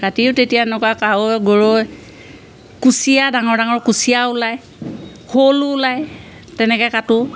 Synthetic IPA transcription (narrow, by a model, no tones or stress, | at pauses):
katiʊtetijanɔkakaoɡoɹoj | kusiadaŋɔɹdaŋɔɹkusijaʊlaj | holʊlaj | tɛnɛkɛkatʊ